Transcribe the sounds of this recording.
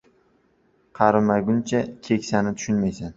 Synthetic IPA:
qʰɑɾɪmaɡʊnt͡ʃʰakʲʰe̞kʲsanɪt̪ʰʊ̥ʃʊnmajsan

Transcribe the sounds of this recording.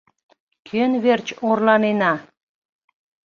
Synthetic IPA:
kʰønβert͡ɕorlɑnenɑ

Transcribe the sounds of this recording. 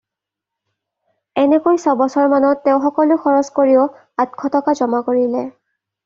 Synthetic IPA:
ɛnɛkojsɔbɔsɔɹmanɔtːɛʊ̃xɔkɔlʊxʰɔɹɔskoɹio | atkʰɔtɔkazɔmakoɹilɛ

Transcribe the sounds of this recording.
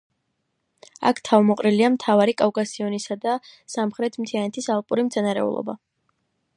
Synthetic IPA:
a̰kʰt̪ʰavmɔqʼɾiliamt̪ʰavaɾikʼavkʼasiɔnisad̪asamχɾɛt̪ʰmt̪ʰianɛt̪ʰisalˠpʼuɾimt̪sʰʼɛnaɾɛ̰ṵlˠɔ̰ba̰

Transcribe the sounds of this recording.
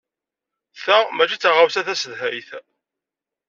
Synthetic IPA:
θæmæt͡ʃit͡sːaʁawsæθæsəðɦæjθ

